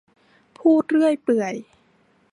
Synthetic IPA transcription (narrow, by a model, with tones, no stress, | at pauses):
pʰuː˥˩t̪̚ɾɯ˥˩əjpɯ˨˩əj